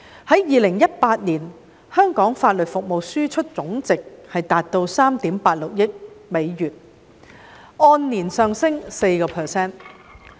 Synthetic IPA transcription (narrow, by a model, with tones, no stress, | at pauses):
hɐ˨˥jjiː˨˧lɪ˨˩ŋjɐ˥t̚paː˧t̚niː˨˩n | hœː˥ŋkɔː˨˥ŋfaː˧t̚lɵ˨t̚fʊ˨k̚mo˨wsyː˥t͡ʃʰɵ˥t̚t͡sʊ˨˥ŋt͡sɪ˨k̚hɐ˨jt̪aː˨t̚t̪o˧wsaː˥mt̪iː˨˥mpaː˧t̚lʊ˨k̚jɪ˥k̚me˨˧jjyː˨˩t̚ | ɔː˧nniː˨˩nsœː˨ŋsɪ˥ŋse˧jkɔː˧pʰɛː˨˧sɛː˥n